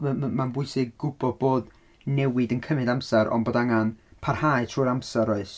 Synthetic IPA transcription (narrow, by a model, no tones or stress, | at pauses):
manbʊɨsɪɡ̚ɡʊbɔd̚boːd | nɛwɪdənkʰəmɨdamsɛɾʔɔ̰nboːdaŋanpʰarhaɨtʰruːɾamsɛɾɔɨs